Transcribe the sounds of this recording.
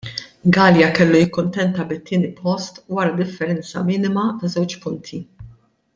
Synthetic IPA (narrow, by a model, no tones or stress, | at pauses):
ɡɐːljɐkɛlːujɪkːʊnt̪ɛnt̪ɐbɪt̪ːɪːnipʰɔst̪wɐɾɐd̪ɪfːɛɾɛnt͡sɐ̰mɪːnɪmɐt̪ɐzɛwt͡ʃpʊnt̪ʰi